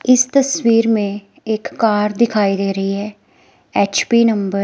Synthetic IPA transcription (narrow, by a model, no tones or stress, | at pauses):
ɪst̪əswiːɾmẽː | ɪkːaːɾd̪ɪkʰaːiːd̪eːɾəiːɦɛː | ɛːt͡ʃpiːnəmbəɾ